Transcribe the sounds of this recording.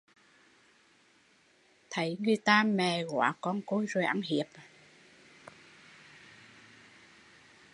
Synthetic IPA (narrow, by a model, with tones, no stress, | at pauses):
t̪ʰə˨˦jŋɨ˨˧˩əjt̪aː˧mɛ˨˩ɣwa̰ː˧˦kɔ˧nko˧jzo˨˩jʔa˧˥ŋɦi˨˩əp̚